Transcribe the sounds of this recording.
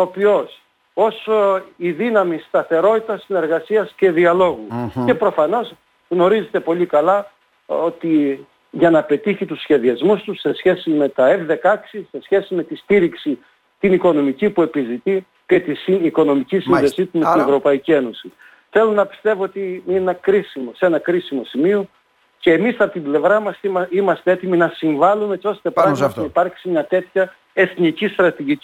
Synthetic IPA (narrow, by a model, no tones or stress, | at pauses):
opio̞s | o̞soiðinɐmist̪ɐθe̞ɾo̞t̪it̪ɐsine̞ɾɣɐsiɐsce̞ðiɐlo̞ɣue̞pɾo̞fɐno̞s | ɣno̞ɾize̞t̪e̞po̞likɐlɐ | o̞t̪i | ʝɐnɐpe̞t̪içit̪usçe̞ðiɐzmust̪use̞sçe̞sime̞t̪ɐe̞vðe̞kɐksise̞sçe̞sime̞t̪ist̪iɾiksi | t̪iniko̞no̞micipue̞pizit̪i | ce̞t̪isiiko̞no̞micisinðe̞sit̪umet̪inevɾo̞pɐicie̞no̞si | θe̞lonɐpi̥st̪e̞voot̪iinenɐkɾisimose̞nɐkɾisimo̞simio̞ | ce̞ːmisɐpot̪ible̞vɾɐmɐsimɐst̪e̞e̞t̪iminɐsiɱvɐlumeet͡so̞st̪epɐɐsnɐipɐɾksimɲɐt̪e̞t̪çɐ | e̞θnicist̪ɾɐt̪iʝici